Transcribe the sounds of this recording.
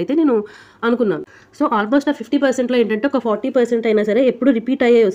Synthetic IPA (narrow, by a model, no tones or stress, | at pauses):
jt̪eːneːnu | ɐnukunːaːnu | so̞ːʔaːlmoːsʈaːpʰipʈiːpɐɾseɳʈloːeːɳʈɐɳʈeɔkɐpʰɔːɾʈiːpɐɾseɳʈɐjnaːsɐɾe̞ːepːuɽuɾipiːʈɐjaːʋɐs